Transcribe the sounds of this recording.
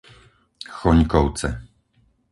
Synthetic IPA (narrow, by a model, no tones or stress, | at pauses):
xɔɲkɔwt̪sɛ